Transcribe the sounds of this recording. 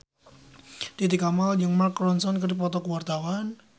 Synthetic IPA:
t̪it̪ikamald͡ʒəŋmarkːɾɔnsɔnkəɾip̬ɔt̪ɔkəwart̪awan

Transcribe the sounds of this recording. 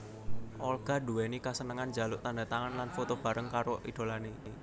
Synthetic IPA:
ʔɔlɡ̥a̤duwɛnikasənəŋand͡ʒa̤lʊʔt̪anda̤t̪aŋanlanfot̪ob̥a̤ɾəŋkaɾoʔḭd̥o̤lane

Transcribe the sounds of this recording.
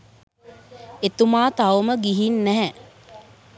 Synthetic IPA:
et̪umaːt̪awməɡiɦinːæɦɛ

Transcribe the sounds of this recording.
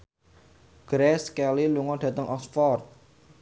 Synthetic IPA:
ɡ̥ɾɛskɛliluŋɔɖ̥ä̤t̪əŋʔɔsfɔrt̪̚

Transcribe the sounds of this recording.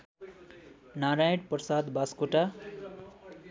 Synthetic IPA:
naɾajʈprʌsad̪baskoʈa

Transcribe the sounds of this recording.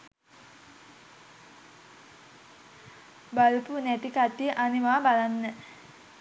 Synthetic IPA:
balupunɛt̪ikat̪iʔanimaabalanːɛ

